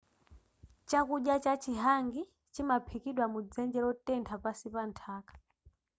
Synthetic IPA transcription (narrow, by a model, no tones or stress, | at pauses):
t͡ʃakuɗjat͡ʃat͡ʃiɦaŋɡi | t͡ʃimapʰikiɗwamud͡zɛnd͡ʒɛɾɔtɛntʰapasipantʰaːkḁ